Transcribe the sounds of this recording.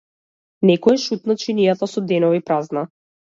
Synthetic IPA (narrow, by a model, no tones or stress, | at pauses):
nɛkɔɛʃut̪nat͡ʃinijat̪asɔd̪ɛnɔvipɾazna